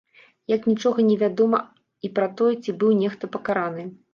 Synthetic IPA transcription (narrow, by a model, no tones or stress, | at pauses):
jɐknʲit͡ʂɔɣɐnʲɛvʲad̪ɔmɐ | ipɾɐt̪ɔjɛt͡sʲibɨwnʲɛxt̪ɐpɐkaɾanɨ